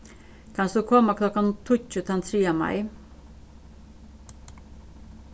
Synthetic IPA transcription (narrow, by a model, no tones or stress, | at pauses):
kʰɑnsd̪ʉːkʰɔməkʰlɔkɑnt̪ʰuçʉːt̪ʰɛnt̪ʰɾiːɑmɑ̰ɪ